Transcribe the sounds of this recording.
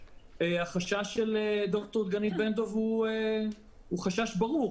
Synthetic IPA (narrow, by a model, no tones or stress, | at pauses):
eaχaʃaʃːeled̪ok̚t̪oʁd̪ɡanit̚bend̪o̞vhue | uχaʃaʃbaʁuʁ